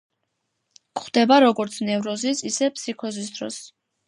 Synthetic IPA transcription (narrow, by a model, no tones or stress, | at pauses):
kχd̪ɛbaɾɔɡɔɾt̪sʰnɛvɾɔzisisɛpʰsikʰɔzis̬d̪ɾɔ̰s